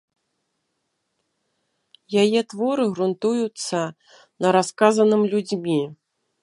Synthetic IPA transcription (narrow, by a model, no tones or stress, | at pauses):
jajɛt̪vɔɾɨɣɾunt̪ujut̪sːɐ | nɐɾaskazɐnɨmlʲud͡zʲmʲi